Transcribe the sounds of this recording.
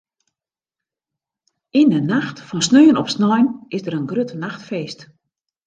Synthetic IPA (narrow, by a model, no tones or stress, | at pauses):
indənaxtfɔnsnøːənɔpsnɔjnɪzdəɾənɡrøtnaxtfeːst